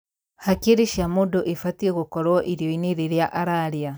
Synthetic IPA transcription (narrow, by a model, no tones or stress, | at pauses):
hakiɾiʃamudoʔefatieɣukɔɾwɔʔiɾjoiniɾiɾjaʔaɾaɾia